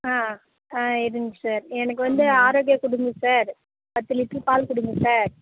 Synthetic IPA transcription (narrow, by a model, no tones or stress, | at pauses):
aː | aːɪɾɯŋɡɯsaːɾɛnɐkːɯʋɐnd̪ɯaːɾoːɡɪjɐkʊɽɯŋɡɯsaːɾ | pɐt̪ːɯlɪʈːrɯpaːlkʊɽɯŋɡɯsaːɾ